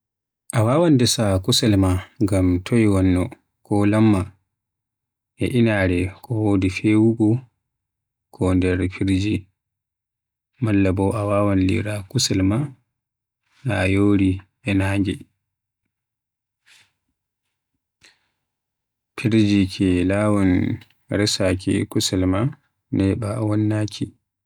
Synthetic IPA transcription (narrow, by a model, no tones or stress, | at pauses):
ʔawawandɛsakusɛlmaɡamtʰɔjwanːɔ | kɔlamːa | ɛʔinaːɾɛkʰɔwodifɛwuɡɔ | kʰɔndɛɾpʰiɾd͡ʒi | malːabɔʔawaːwanlḭɾakusɛlma | najoːɾi | ɛnaŋɡɛ | pʰiɾd͡ʒikʰɛlaːwɔn | ɾɛsakɛ̰kusɛlma | nɛbawɔnːakʰi